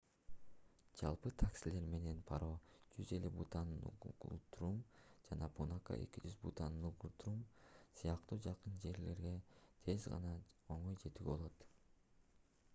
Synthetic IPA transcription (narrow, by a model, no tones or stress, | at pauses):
d͡ʒɑlˠpɯt̪ʰaksile̞ɾme̞ne̞npʰɑɾoːd͡ʒyze̞lybṵt̪ɑnnṵqṵlˠt̪uɾumd͡ʒɑnɑpunaka̰ʔe̞̰kid͡ʒyzbṵt̪ɑnnuqulˠt̪ɾumsɯjɑq̚t̪uːd͡ʒɑqɯnd͡ʒe̞ɾle̞ɾɡe̞t̪ʰe̞zʁɑ̰nɑo̞ɴo̞jd͡ʒe̞t̪yɡebo̞lˠo̞t̪